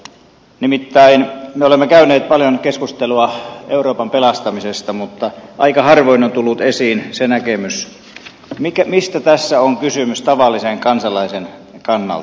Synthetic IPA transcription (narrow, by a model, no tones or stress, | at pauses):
nimit̪ːæinmeolemːekæyneːt̪̚pɑljonkeskust̪eluɑeuroːpɑmpelɑst̪ɑmisest̪ɑmut̪ːɑʔɑikɑhɑrʋoinont̪ulːut̪esiːnsenækemys | mikæmist̪æt̪æsːæoŋkysymyst̪ɑʋɑlːiseŋkɑnsɑlɑisen | kɑnːɑ̰lt̪